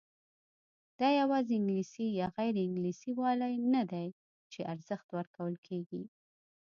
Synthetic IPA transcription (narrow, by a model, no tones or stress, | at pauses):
d̪̥ɑjawɑzeɪŋɡlisijɑɣajɾɪŋɡlisiwɑlajnad̪aj | t͡ʃeʔaɾz̥əxt̪wəɾkawəlkʰeɡi